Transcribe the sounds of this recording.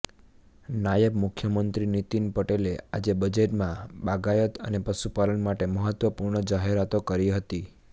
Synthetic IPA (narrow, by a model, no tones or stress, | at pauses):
najəbmʊkʰjəmənt̪ɾinit̪inpəʈelea̰d͡ʒebəd͡ʒeʈmãbaɡajət̪ə̰nepəʃupalənmaʈeməɦət̪ʋəpuɾɳəd͡ʒaɦeɾat̪okəɾiɦət̪i